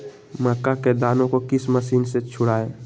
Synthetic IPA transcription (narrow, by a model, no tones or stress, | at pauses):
məkːaked̪aːnõkokɪsməsiːnset͡ʃʰʊɽaːeː